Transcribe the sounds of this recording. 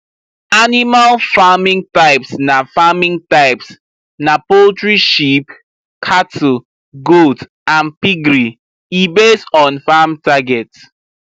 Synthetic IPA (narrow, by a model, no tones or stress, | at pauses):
animalfamĩŋtaɪpsnafamĩŋtaɪps | napoltɹiʃip | kʰatʰu | ɡod | ãnpiɡɹi | ibesɔ̃nfamtaɡɛt